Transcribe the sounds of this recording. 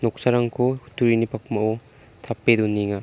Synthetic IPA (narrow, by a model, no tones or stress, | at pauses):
nɔk̚saɾaŋkʰohutʰuɾinipʰak̚mao | t̪ʰapːedunːiŋa